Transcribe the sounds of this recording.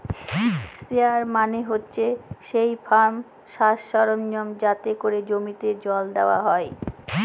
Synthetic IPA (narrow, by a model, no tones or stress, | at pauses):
sɾiaɾmaneɦotːɕʰeʃejfʰaɾm | ʃaʃːɔɾonːomd͡ʑat̪ekoɾed͡ʑomit̪ed͡ʑɔld̪eoaɦɔe